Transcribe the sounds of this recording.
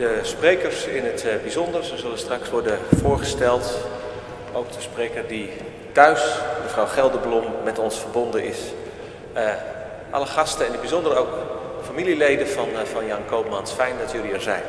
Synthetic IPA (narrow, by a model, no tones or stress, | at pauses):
d̥əsprejkərsɪnɦətbizɔndərsəzɵlənstrɑksʋɔɹdənv̥ʊːɹχəstɛlˠt | owkd̥əsprejkəɹdi | tœɥsdəvrawχɛlˠdəblɔmːɛtɔnsfəɹbɔndənɪs | ʔɑ̰ləχɑstəɪnəd̚bizɔndərəowk | əfamililejdənvɑnvɑnjɑŋkowp̚mɑnsfɛjndɑtjɵliɛɹzɛjn